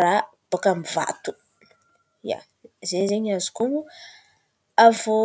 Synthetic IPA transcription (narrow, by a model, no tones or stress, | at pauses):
ɾab̥okamiva̰t̪u̥ | ja̰ | zeɲzeɲazi̥kuŋu | avo